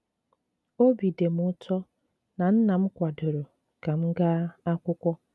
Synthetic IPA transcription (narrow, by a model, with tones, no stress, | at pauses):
o˦bi˨de˨m̩˦ʊ˦tʰɔ˦ | na˨n̩˦na˨m̩˦kʷa˨dʊ˨ɾo˨ | ka˨m̩˦ɡa˦a˦kʷʊ˦kʷɔ˦